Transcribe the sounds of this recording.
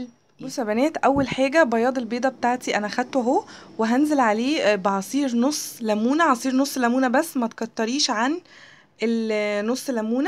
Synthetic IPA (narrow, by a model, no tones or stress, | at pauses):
sæbænæːt̪ʔæwːælħaːɡæbɑjɑːd̪ˤelbeːd̪ˤæbet̪aːʕt̪iʔænæxæd̪̚t̪ɦo | weɦænzelʕaleːbʕɑsˤiːɾnosˤːlæmuːnæʕɑsˤiːɾnosˤːlæmuːnæbæsːmæt̪kɑt̪ˤːɑɾiːʃʕan | elnosˤːelːæmuːnæ